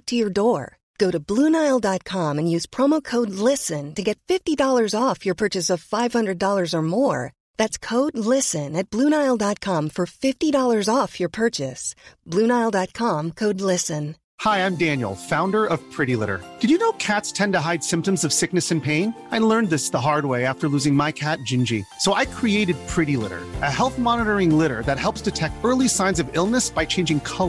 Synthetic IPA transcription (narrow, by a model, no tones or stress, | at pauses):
tʰɨjə˞dɔɹ | ɡ̥oʊɾɨblũnaɪl̩ˠdɑt̚kʰɑ̃mɨ̃njʉz̥pʰɹ̥ɑmoʊkʰoʊdˡlɪsɨ̃ntɨɡɛtfɪftidɔlˠə˞zɔfjə˞pʰɜ˞t͡ʃɨsʌv̥faɪv̥hʌ̃ndɹɨdɔlˠə˞zə˞mɔɹ | ðætskʰoʊdˡlɪsɨ̃nɨt̚b̥lũnaɪlˠdɑt̚kʰɑ̃ɱfə˞fɪftiɾɔlˠə˞zɔfjə˞pʰɜ˞t͡ʃɨsb̥lʉ̃naɪlˠdɑt̚kʰɑ̃mkʰoʊdˡlɪsɨ̃n | haɪãɪ̃mdæ̃njl̩ˠfãʊ̃ndə˞ʌv̥pʰɹ̥ɪɾilɪ̰ɾə̰˞d̥ɨd͡ʒɨnoʊkʰætstʰɛ̃ntəɦaɪd̥sɪ̃mp̚tə̃mzʌv̥sɪknɨsɨ̃npʰẽɪ̃n | aɪlɜ̃˞nðɪsðəɦɑɹd̚weɪæftə˞lʉzɪ̃ŋmaɪkʰæt̚d̥ʒ̥ɪ̃nd͡ʒḭsoʊʔaɪkʰɹ̥ieɪɾɨd̚pʰɹ̥ɪɾilɪ̰ɾə̰˞ʔɨɦɛlˠθmɑnəɾə˞ɪ̃ŋlɪɾə̰˞ðɨt̚hɛlˠpsd̥ɨtʰɛk̚tɜ˞lˠisãɪ̃nzʌvɪlˠnɨsb̥aɪt͡ʃʰẽɪ̃nd͡ʒɪ̃ŋkʰʌ